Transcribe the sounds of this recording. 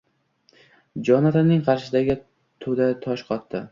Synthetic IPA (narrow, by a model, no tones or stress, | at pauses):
d͡ʒɒnat̪anɪŋqʰɑɾʃɪd̪aɡʲɪ | t̪ʰod̪at̪ʰɒʃqʰɒt̪ːɪ